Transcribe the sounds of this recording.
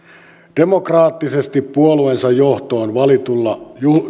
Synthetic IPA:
d̥e̞mo̞krɑːt̪ːisest̪ipːuolue̞nsɑjjo̞ht̪o̞ːnʋɑlit̪ulːɑju

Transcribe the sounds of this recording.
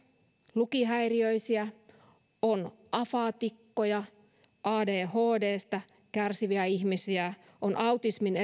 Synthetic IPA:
lukiɦæiriøisiæ | onʔɑfɑt̪ikːojɑ | ʔɑːdeːhoːdeːst̪æ | kærsiʋiæihmisiæ | onʔɑut̪ismine

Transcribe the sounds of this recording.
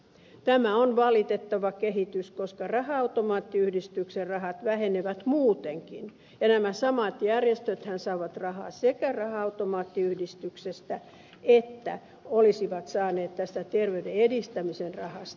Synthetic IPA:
t̪æmæonʋɑlit̪et̪ːɑʋɑkeɦit̪yskoskɑrɑhɑɑut̪omɑːt̪ːiyhdist̪ykserrɑɦɑt̪ʋæheneʋæt̪muːt̪eŋkin | jɑnæmæsɑmɑt̪jærjest̪øt̪hænsɑiʋɑt̪rɑhɑ̰ːsekærɑhɑɑut̪omɑːt̪ːiyhdist̪yksest̪æ | et̪ːæ̰ | olisiʋɑt̪sɑːneːt̪t̪æst̪æt̪erʋeydeedist̪æmisenrɑhɑst̪

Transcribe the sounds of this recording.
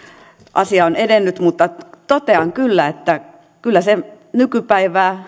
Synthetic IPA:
ʔɑ̰siɑonedenːyt̪mut̪ːɑt̪ot̪eɑŋkylːæet̪ːæ | kylːæse | nykypæiʋæː

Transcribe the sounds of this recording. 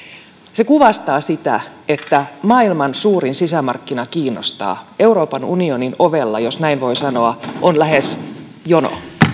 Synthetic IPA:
sekuʋɑst̪ɑːsit̪æ̰et̪ːæmɑːilmɑnsuːɾinsisæmɑ̰rkːinɑkiːnːo̰st̪ɑ̰ːʔe̞uɾo̞ːpɑnunioninoʋelːɑjosnæinʋo̞isɑno̞ɑʔonlæɦes | jono̰

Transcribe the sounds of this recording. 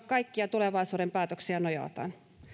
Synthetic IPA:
kkɑikːiɑt̪uleʋɑisuːɾempæːt̪øksiɑnojɑ̰ˑt̪ɑ̰n

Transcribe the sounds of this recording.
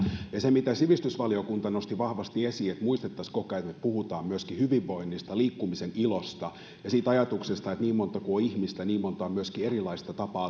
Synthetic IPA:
jɑsemit̪æsyʋist̪ysʋɑliokunt̪ɑnost̪iʋɑhʋɑst̪iesiːet̪muist̪et̪ːɑskokɑet̪mepuhut̪ɑːmmyøskihyʋiʋːoinːist̪ɑliːkːumisenilost̪ɑ | jɑsiːt̪ɑjɑt̪uksest̪ɑet̪niːmmont̪ɑkuoihmist̪æniːmmont̪ɑomyøskierilɑist̪ɑt̪ɑpɑː

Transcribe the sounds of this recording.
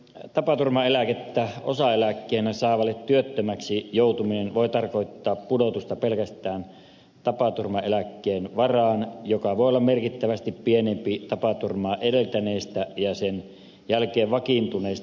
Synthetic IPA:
t̪ɑpɑt̪urmɑelæket̪ːæosɑelækːeːnæsɑˑeʋɑlːˑet̪t̪yøt̪ːømæksijoˑut̪uminenʋoˑet̪ɑrkoˑit̪ːɑːppudot̪ust̪ɑpelkæst̪ˑæːn | t̪ɑpɑt̪urmɑelækːeːnʋɑrɑːnjokɑʋoˑeolːɑmmerkit̪ːæʋæst̪ippienempit̪ɑpɑt̪urmɑːʔedelt̪æneˑːst̪æjɑsen | jælkeːʋʋɑkint̪uneˑːs

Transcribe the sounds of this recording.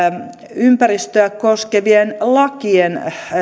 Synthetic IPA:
ympærist̪øækkoskeʋienlɑkien

